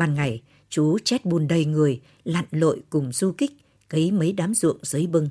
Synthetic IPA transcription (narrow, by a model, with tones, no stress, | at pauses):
ɓaː˨˩nŋa˨˩j | t͡ɕu˨˦t͡ɕɛ˦˥t̚ɓu˨˩nɗə˨˩jŋɨ˨˩əj | la̰ː˧˨nlo̰˧˨jkʊ˨˩ŋ͡mz̥u˧kï˦˥k̚ | kə˨˦jmə˨˦jɗaː˨˦mzɨ̰˧˨əŋz̥ɨ˨˦jɓɨ˧ŋ